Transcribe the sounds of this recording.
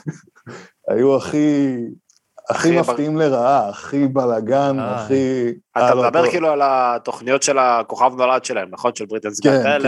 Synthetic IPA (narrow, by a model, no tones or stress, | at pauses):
a̰juaχi | a̰χimaft̪iimle̞ʁaaːχibalaɡanaχiat̪ad̪abeʁkiːlualat̪oχnijo̞t̪ʃelako̞χavno̞lad̪ʃelaemnaχo̞nʃelbʁit̪enskenel